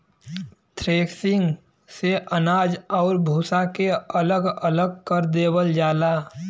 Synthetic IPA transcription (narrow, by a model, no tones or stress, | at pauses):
t̪ʰɾeːksɪ̃ŋɡ | seʔənaːd͡ʒɔːɾbʱuːsakeələɡələɡ̚kəɾd̪eːbəld͡ʒaːlaː